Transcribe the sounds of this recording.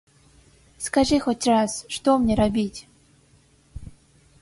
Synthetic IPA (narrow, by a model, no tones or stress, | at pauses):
skaʐɨxotʲrasʂt̪omnʲeɾabʲitʲ